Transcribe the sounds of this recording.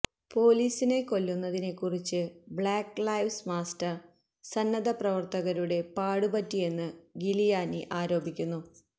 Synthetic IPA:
po̞ːliːsine̞ko̞lːunːɐðine̞kːurit͡ɕːɨbɭaːkːlɐjʋsmaːstɐr | sɐnːɐd̪ɐprɐʋɐrt̪ɐɣɐɾuɽe̞paːɽubɐtːije̞nːɨɡilijaːniʔaːɾo̞ːbikʲːunːu

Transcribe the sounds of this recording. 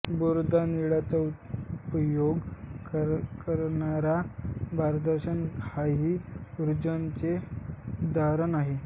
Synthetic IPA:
boɾd̪ʱaniɭat͡sauupjoɡ | kəɾɳaɾabaɾd̪əɾɕənkaɦiuɾud͡ʑənt͡se | d̪ʱaɾənaɦe

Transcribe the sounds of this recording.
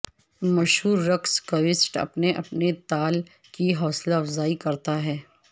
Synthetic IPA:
mɐʃɦuːɾːɐkskɐʋɪsʈɐ̰pneʔɐpnet̪aːl | kiɦɔːslaɐfzaːikɐɾt̪aɦɛː

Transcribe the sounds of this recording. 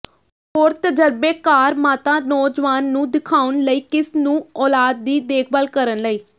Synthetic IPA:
ɦoːɾt̪əd͡ʒəɾbeːkaːɾmaːt̪ãːnɔːd͡ʒʋaːnːũːd̪ɪkʰaːʊnləiːkɪsnũːɔːlaːd̪̚ːiːd̪eːk̚ʰbaːlkəɾənləiː

